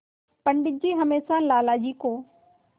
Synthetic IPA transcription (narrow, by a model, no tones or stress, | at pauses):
pɐɳɖɪd͡ʒiːɦɐmeːsãlaːlaːd͡ʒiːkoː